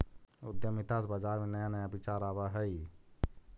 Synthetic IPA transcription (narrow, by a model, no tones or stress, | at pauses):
ʊd̪jəmit̪ʰasbad͡ʒaːɾmenəjanəjabit͡ʃaːɾaːbaɦəi